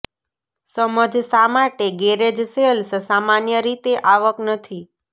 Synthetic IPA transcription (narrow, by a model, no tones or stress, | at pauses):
səməd͡ʒsamaʈeɡeɾed͡ʒseəlsəsamanjəɾit̪eʔaʋəknət̪ʰi